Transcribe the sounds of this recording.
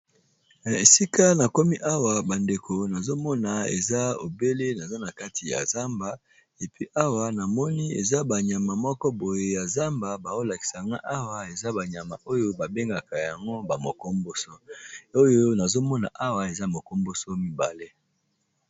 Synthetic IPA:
na˨e˨si˦ka˦na˨ko˦mi˦ʔa˦wa˨ba˨nde˨kʰo˨na˨zo˦mɔ˦na˨ḛ˨za˦o̰˨be˦le˦na˨za˦na˨ka˦ti˨ja̰˨za˦mba˨ | e˨pi˦ʔa˦wa˨na˨mɔ˦ni˦ḛ˨za˦ba˨ɲa˨ma˨mɔ˦kɔ˦bo˨je˨ja˨za˦mba˨ba˨zo˦la˨ki̥˨sa˨ŋɡa˦ʔa˦wa˨e˨za˦ba˨ɲa˨ma̰˨ʔo˦jo˦ba˨be˦ŋɡa˨ka˨ja˨ŋɡo˦ba˨mo˨kɔ˦mbo˦so˦o˦jo˦na˨zo˦mɔ˦na̰˨ʔa˦wa˨e˨za˦mo˨kɔ˦mbo˦so˦mi˦ba̰˨le˦

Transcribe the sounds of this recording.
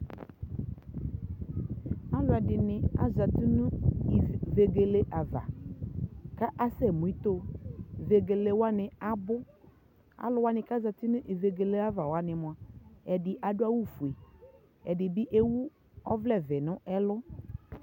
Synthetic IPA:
a˦lʊ˨˦a˨dɪ˨nɪ˨a̰˨za˨ti˦nʊ̃˦˨ | ve˨ɡe˨le˦ʔa˨va̰˨ | ka˦ʔa˦sɛ˦˨mu˨i˦t̪o˦ve˨ɡe˨le˨wa˦nɪ˨a˦bʊ˦ | a̰˨lʊ˨wa˦nɪ̃˨ka˦za˨tɪ˦nʊ̃˦ʔi˨ve˨ɡe˨le˦a˦va˨wa˨˦nɪ̃˨mʊ̃˨a˨ɛ˨dɪ˨ʔa˨dʊ˦a˦wu˦fu˨e˨ | ɛ˨dɪ˨bɪ˦ʔe˦wu˦ | ɔ˦vlɛ˦˨vɛ˨nʊ̃˦ʔɛ˦lʊ˦

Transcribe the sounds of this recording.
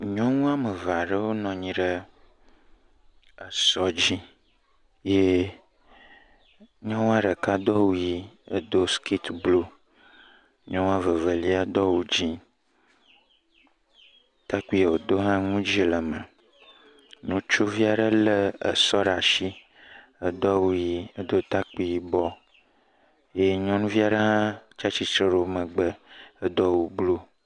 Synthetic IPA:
ɲɔ̃˦ŋũ˦a˦mə˨va˨ɖə˦wo˦nɔ̃˨ɲĩ˨ɖə˦ | ə˨sɔ˦d͡ʑi˦ | je˦ | ɲɔ̃˦wa˦ɖə˨ka˦d̪ɔ˦wu˦ji˦ə˦d̪o˦skʰi˦t̪blo˦ | ɲɔ̃˦ŋ̃˦a˦və˨və˨li˦a˦d̪ɔ˦wu˦d͡ʑi˦ | t̪a˦k͡pi˦e˨wo˨d̪o˦ɦã˦ŋũ˦d͡ʒi˦˨lə˨mə˨ | nũ˨t͡ʃo˦vi˦a˨ɖə˦lə˦ə̰˨sɔ˦ɖa˨ʃi˦ | ə˨d̪ɔ˦wu˦ji˦ə˦d̪o˦t̪a˦k͡pi˦ji˨bɔ˦ | je˦ɲɔ̃˦nũ˦vi˦a˨ɖə˦ɦã˦t͡ʃa˦t͡ʃi˦t͡ʃɾe˦ɾo˦mə̃˨ɡ͡bə˦ə˦d̪ɔ˦wu˦blo˦

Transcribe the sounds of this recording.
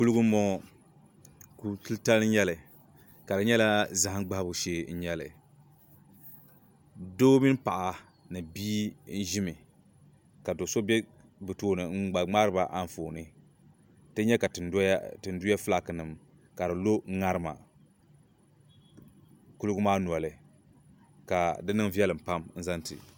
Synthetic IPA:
ku˦lu˦ɡu˦mɔ˦ | ku˦tɨ˦lta˦l̩˦ɲɛ˦lɨ˨ | ka˨dɨ˨ɲɛ˦la˦za˨a˦ŋ˦ɡ͡ba˦bʊ˨ʃeː˦˨n̩˦ɲɛ˦lɨ̰˨ | doː˦mi˦n˦pa˨ʔa˨ | nɨ˨biː˦n̩˦ʒi˦mɨ˨ | ka˨do˨so˦bɛ˦ | bɨ˨toː˦nɨ˨˦ɡ͡ba˨ŋ͡ma˦ɾɨ˦ba˨ʔa˦n˨foː˨nɨ˦ | tɨ˦ɲɛ˦ka˨ttɨ˨n˦du˦ja˦fla˨kɨ˨nɨ˨m | ka˨dɨ˨lo˦ŋa˦ɾɨ˦ma̰˨ | ku˦lʊ˦ɡʊ˦maː˦nu˨ɔ˨lɨ˨ | ka˨dɨ˦nɨ˦ŋvi˦ɛ˦lɨ˨m̩˨pa˦mn̩˦za˦n˦tɨ̰˨

